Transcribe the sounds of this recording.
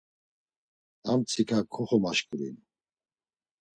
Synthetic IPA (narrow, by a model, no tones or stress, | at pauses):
amt͡sʰikʰakʰɔχɔmaʃkʼuɾḭn